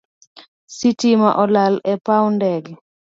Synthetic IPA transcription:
sitima̰ʔɔlalɛpawndɛɡ

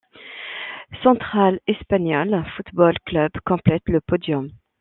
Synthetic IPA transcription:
sɑ̃t̪χalɛspaɲɔlfut̪bɔlklœbkɔ̃plɛt̪ləpɔd̪jɔm

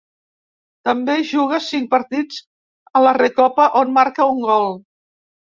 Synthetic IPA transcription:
t̪əmbeʒuɣ̞əsiŋpəɾt̪id͡z | ələrekɔpəʔonmaɾkəuŋɡɔlˠ

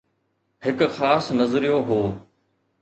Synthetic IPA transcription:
ɦɪkxaːsnɐzɾijoɦoː

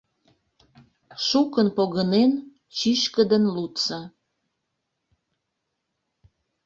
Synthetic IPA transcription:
ʃukənpoɣənen | t͡ɕiʃkəd̪ənlut̪sɑ

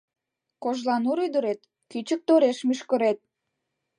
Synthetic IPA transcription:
koʒlɑnuɾyd̪əɾet̪ | kyt͡ɕək̚t̪oɾeʃmyʃkə̆ɾet̪̚

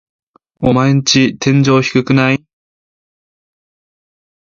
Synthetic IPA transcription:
o̞maeɲit͡ɕit̪ʰẽ̞ɲd͡ʑo̞ːçi̥kɯ̟kɯ̟nai

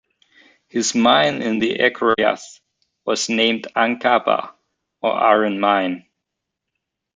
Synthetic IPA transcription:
hɨzmãɪ̃nɪ̃nðiʔɛkʰa̰θ | wʌz̥nẽɪ̃mdãŋkʰapə̰ | ə̰ʔaɹɨ̃nmãɪ̃n

